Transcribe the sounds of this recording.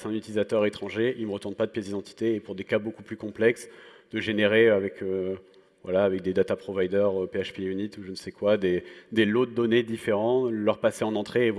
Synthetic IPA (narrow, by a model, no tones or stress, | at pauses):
sɛ̃nyt̪ilizat̪œʁet̪χɑ̃ʒeilməʁət̪ɑ̃t̪̚pad̪əpjɛzid̪ɑ̃t̪ʰi̥t̪eːpuʁd̪ekabokuplykɔ̃plɛks | d̪̥əʒeneʁeavɛkʰø | vwa̰laːvɛk̚d̪ed̪at̪apχɔvajd̪œʁøpeaʃpeynit̪uʒənsɛkwad̪ed̪elod̪ɔned̪ifeʁɑ̃lœʁpaseɑ̃nɑ̃t̪χeːvw